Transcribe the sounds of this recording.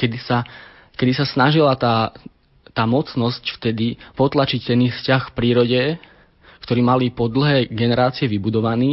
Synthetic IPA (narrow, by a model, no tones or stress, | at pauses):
kɛd̪isa | kɛd̪isasnaʒilat̪aː | t̪aːmɔt͡snɔscft̪ɛd̪ipɔt̪lat͡ʃict̪ɛnifscaxfpɾiːɾɔɟɛ | kt̪ɔɾiːmalipɔd̪l̩ɦɛːɡɛnɛɾaːt͡siɛʋibud̪ɔʋaniː